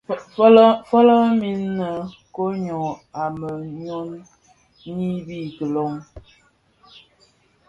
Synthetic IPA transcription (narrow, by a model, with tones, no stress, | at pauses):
fɔ˦lɔ˦mi˦nːə˨ | ko˦ɲɔ˨a˨mə˨ɲo˦n | ɲi˦bi˦tə˨lo˦ŋ